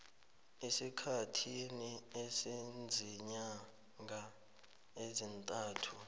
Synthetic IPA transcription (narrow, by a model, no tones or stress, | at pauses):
esikʰatʰiniesind͡zʱiɲa | ŋa | ezintʼaːtʰu